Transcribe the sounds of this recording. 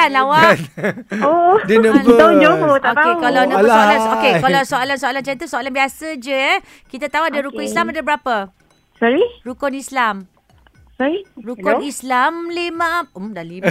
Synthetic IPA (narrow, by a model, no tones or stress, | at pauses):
anlawa | odinə̃əad͡ʒoot̪aot̪aekalanalanokekalawsoalansoalant͡ʃait̪usoalanbiasəd͡ʒəjə | kit̪at̪auadaɾukʊnislamadabəɾapə | sɔɾiɾukɔnislam | sɔɾiɾukʊnislamlimãmdali